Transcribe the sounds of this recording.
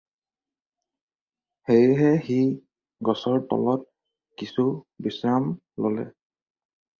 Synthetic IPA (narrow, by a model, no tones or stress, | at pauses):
hejɦɛxi | ɡɔsɔɹtɔ̰lɔt̚ | kisubisɹam | lolɛ̰